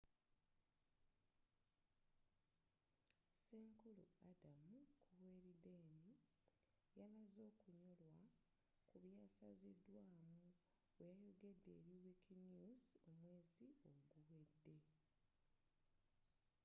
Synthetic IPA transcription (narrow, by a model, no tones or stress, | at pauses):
seːŋkulṵadamukʰuβwe̞ːɾideːni | janazo̞ːkuɲolwa | kuβjaːsazidːwaːmu | wejajoɡe̞dːe̞ːɾiwikʰinizo̞mwe̞ːzio̞ɡuwe̞dːe̞